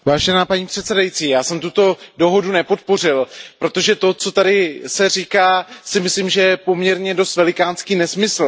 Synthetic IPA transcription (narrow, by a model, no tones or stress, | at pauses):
vaːʒɛnaːpaɲiːpr̝̥ɛt̪sɛdajit͡siːjaːsɛmt̪ut̪o̞do̞ɦo̞dunɛpo̞t̪̚po̞r̝ɪlpɾo̞t̪o̞ʒɛt̪o̞t͡so̞t̪adɪsɛrikaːsɪmɪsliːmʒɛjɛpo̞mɲɛɾɲɛdo̞st̪vɛlɪkaːnskiːnɛsmɪsl̩